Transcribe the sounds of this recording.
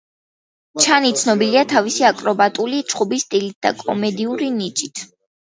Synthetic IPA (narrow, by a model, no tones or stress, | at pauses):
t͡ʃʰanit̪sʰnɔbiliat̪ʰavisiakʼɾɔbat̪ʼulit͡ʃʼχubist̪ʼilit̪̚d̪̥a̰kʼɔ̰mɛd̪iuɾinit͡ʃʼit̪ʰ